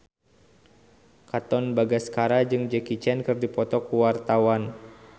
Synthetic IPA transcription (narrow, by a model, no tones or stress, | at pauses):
kat̪ɔnbaɡaskaɾad͡ʒɨŋd͡ʒɛkit͡ʃɛnkɨrdipɔt̪ɔkuwart̪awan